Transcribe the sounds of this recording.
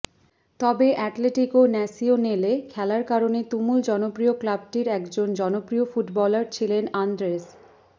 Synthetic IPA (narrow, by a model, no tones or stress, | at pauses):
t̪ɔbeʔɛʈleʈikonɛsionelekʰɛlaɾkaɾonet̪umuld͡ʑɔnopɾioklab̚ʈiɾɛkd͡ʑond͡ʑɔnopɾiofuʈbɔlaɾt͡ɕʰilenand̪ɾes